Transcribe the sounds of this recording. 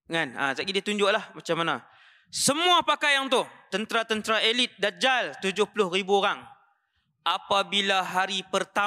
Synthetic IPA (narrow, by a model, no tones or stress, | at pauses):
ŋana̰t̪aʔɡidiat̪uɲd͡ʒʊʔlahmat͡ʃamːana | səmuapakajaŋt̪ʊht̪ənt̪ɾat̪ənt̪ɾaelɪt̪̚dad͡ʒalt̪ud͡ʒʊhpulʊhribuoɾaŋ | ʔapabilaɦaɾipərt̪a